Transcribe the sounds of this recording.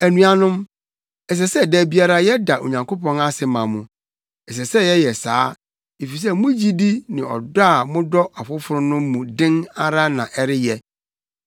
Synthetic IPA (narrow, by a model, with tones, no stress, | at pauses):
æ˨nũ˨a˨nʊ̃˦m | ɛ˨s̬ɛ˨sɛ˦dæ˨bi˦a˦ɾa˦jɛ˦da˨ʔo̰˨ɲã˨ŋkʰo˦pʰɔ̃˦na˦sɪ˨mã˨mʊ̃˨ | ɛ˨s̬ɛ˨sɛ˦jɛ˦jɛ˨saː˦ | e˨fi˨s̬ɛ˦˨mʊ̃˦d͡ʑi˦di˦nɪ̃˨ɔ̰˨da˦˨mʊ̃˦dɔ˦a˨fʊ˦fʊ˨ɾʊ̃˦nʊ̃˦m˦mũ˨dɪ̃˦na˦ɾa˦nã̰˨ʔɛ˦ɾɪ˦jɛ˦